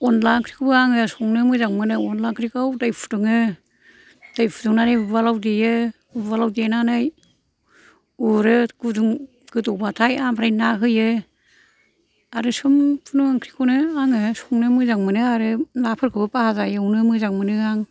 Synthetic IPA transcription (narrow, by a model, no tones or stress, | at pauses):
ɔnlaŋkʰɾikʰɯbɯaŋɯsɔŋnɯmɯzaŋmɯnɯɔnlaŋkʰɾikʰawdajpʰu̥tɯŋɯ | d̥ajpʰutuŋnanɯjvalawdijɯ | valawdananɯj | uɾɯɡuduŋ | ɡ̥ɯtɔbatʰajamɾajnaɦɯjɯ | aɾɯsɯmpʰunuŋaŋkʰɾikʰɯwnɯaŋɯsɔŋnɯmɯzaŋmɯnɯaɾɯlapʰɯɾkʰɯbɯpahazajɯwnɯmɯzaŋmɯnɯaŋ